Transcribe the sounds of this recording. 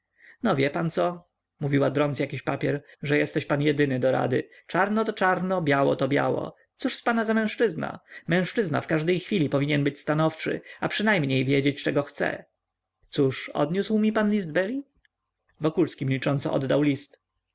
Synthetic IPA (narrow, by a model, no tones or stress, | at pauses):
nɔvʲjɛpant̪sɔ | muvʲiwad̪ɾɔnsjakʲiɕpapʲjɛɾʐɛjɛst̪ɛɕpanjɛd̪ɘnɘd̪ɔɾa̰d̪ɘ̰ | t͡ʂaɾnɔt̪ɔt͡ʂaɾnɔbjawɔ̰t̪ɔbʲja̰wɔ̰ | t̪suʂspanazamɛ̃w̃ʂt͡ʂɘzna̰mɛ̃w̃ʂt͡ʂɘzna̰fkaʐd̪ɛjxfʲilʲipɔvʲiɲɛnbɘt͡ɕst̪anɔft͡ʂɘ̰apʂɘnajmɲejvʲjɛd͡ʑet͡ɕt͡ʂɛɡɔxt̪sɛ̰ | t̪suʂɔ̰d̪ɲuswmʲipanlʲizd̪̚bɛlʲi | vɔkulskʲimlʲit͡ʂɔnsɔ̰ʔɔ̰d̪ːawlʲist̪